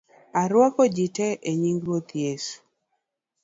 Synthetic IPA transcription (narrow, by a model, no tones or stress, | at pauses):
aɾwɔkɔd͡ʒitɛʔeɲiŋɡɾwot̪jesu̥